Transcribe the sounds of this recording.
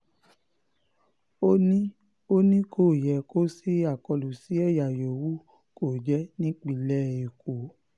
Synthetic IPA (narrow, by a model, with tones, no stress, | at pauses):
o˦nĩ˦ | o˦nĩ˦kʰo˦˨jɛ˨ko˦si˦a˦˨kɔ˧lu˨si˨˦ɛ˦˨ja˨jo˨wu˦ | ko˦˨d͡ʒɛ˦nĩ˦k͡pi˦˨lɛ˦˨i˨ko˨